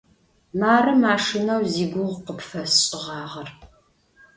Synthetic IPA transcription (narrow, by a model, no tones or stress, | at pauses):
maːrɐmaːʂɪnɐwziːɡʷʊʁqəpfɐsɕʼɪʁɑːʁɐr